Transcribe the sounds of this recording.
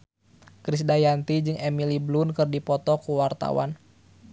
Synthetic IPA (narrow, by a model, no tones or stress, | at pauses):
kɾisdajant̪id͡ʒɨŋɛmiliblunkɨrdipɔt̪ɔkuwart̪a̰wa̰n